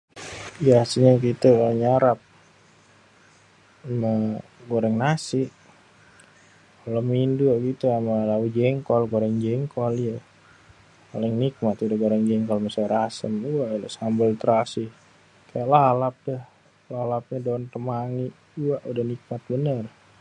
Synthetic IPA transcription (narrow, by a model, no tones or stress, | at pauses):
ijaasiɲakit̪əkaaʔɲaɾap̚ | ma | ɡoɾɛŋnasiʔ | kalominduaʔɡit̪uamalaud͡ʒɛŋkɔlɡoɾɛŋd͡ʒɛŋkɔlijə | ka̰lɛŋnik̚mat̪udaɡoɾɛŋd͡ʒɛŋkɔlmasajɾasəmuaʔla̰sambəlt̪əɾasih | kajaʔlalap̚dəh | lalap̚ɲadont̪əmaŋiʔ | uaʔudahnik̚mat̪̚bənər